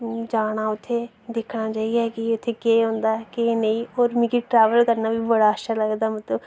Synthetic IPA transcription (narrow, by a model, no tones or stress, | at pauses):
d͡ʒaːɽ̃aːʊt̪ʰːeː | d̪ɪkʰɽ̃aːt͡ʃaːiaɛkɪʊt̪ʰːeːkeːɦõːnd̪aːkeenəĩːoːɾmĩkiʈɾɛːʋəlkəɾnaːbʱibəɽaːəʃʰaləɡd̪aːmət̪ləb